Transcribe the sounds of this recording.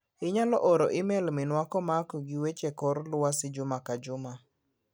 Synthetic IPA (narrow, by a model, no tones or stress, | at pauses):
ɪɲalɔʔoɾoʔɪmɛlmɪnwakɔmakɔɡɪwet͡ʃekɔɾlʊwasɪd͡ʒʊmakad͡ʒʊma